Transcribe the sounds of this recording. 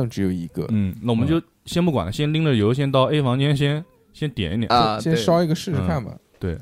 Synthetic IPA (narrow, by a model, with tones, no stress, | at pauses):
ɑ˥˩ŋʈ͡ʂɻ̩˧˥jo˨˩ʊi˧˥ɡə̰˧nn̩˥˩na˥˩wɔ˨˩mə˦nt͡ɕjo˥˩ʊ | ɕjɛ˥npu˥˩kwa̰˨˩nlə˦ɕjɛ˥nli˥ŋdə˨jo˧˥ʊɕ̬jɛ˥nt̪ɑ˥˧ʊe˥ɪfɑ˧˥ŋt͡ɕjɛ˥nɕ̬jɛ˥n | ɕjɛ˥nt̪jɛ̰˨˩ni˥˩jɛ̰˨˩˥ʂɑ˥ʊi˧˥ɡə˧ʂɻ̩˥˧ɻ̩˥kʰa˥˩nmɐ̰˩t̪we˥˩ɪ